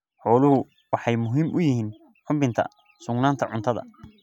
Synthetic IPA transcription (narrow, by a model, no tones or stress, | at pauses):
ħɔːlʊɦʊ | wɑħɑjmʊɦiːmʔʊjɪhiːn | ħʊmbɪnt̪ʰɐ̰ | sʊɡnaːnt̪ʰɐʕʊ̰nt̪ʰɐðɐ̰